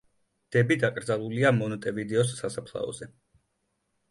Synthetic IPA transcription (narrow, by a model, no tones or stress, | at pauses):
d̪̥ɛbid̪akʼɾd̪zalˠuliamɔnɔt̪ʼɛvid̪ɛɔs̬ːasapʰlˠa̰ɔ̰zɛ